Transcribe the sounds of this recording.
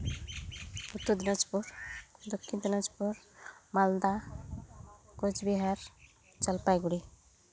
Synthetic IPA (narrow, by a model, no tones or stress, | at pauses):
ut̪ːud̪inad͡ʒpuɾd̪ɔkʰːind̪inad͡ʒpuɾmald̪a | kod͡ʒbiɦaɾ | t͡ʃəlpajɡuɽi